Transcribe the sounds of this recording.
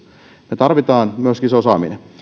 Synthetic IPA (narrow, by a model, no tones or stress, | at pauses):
met̪ɑrʋit̪ɑːnmyøskiseosɑ̰ːmḭnḛ